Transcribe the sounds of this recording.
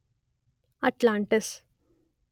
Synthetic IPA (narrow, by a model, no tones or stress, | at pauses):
ɐʈlãɳʈəs